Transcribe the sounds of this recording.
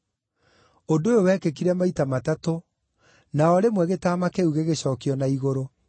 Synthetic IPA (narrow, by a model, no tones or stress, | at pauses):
ondojowɛːkekiɾɛmaitamatato | naɔɾemwɛɣetaːmakeuɣeɣeɕɔːkiɔnaiɣoɾo